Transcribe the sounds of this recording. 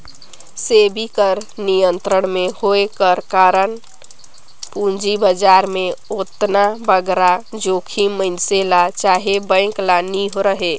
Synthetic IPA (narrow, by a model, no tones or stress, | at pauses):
sebʱikəɾnijənt̪ɾəɳmehoekəɾkaɾən | pund͡ʒibəd͡ʒaɾmeot̪nabəɡɾad͡ʒokʰimənselat͡ʃaɦebə̃ɪ̃ŋklaniɦoɾəɦe